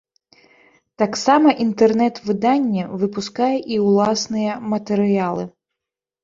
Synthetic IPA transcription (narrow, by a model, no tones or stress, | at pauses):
t̪aksamɐʔint̪ɛrnɛt̪vɨd̪anʲːɛvɨpuskajɛʔiwlˠasnɨjɐmɐt̪ɛɾɨjalˠɨ̰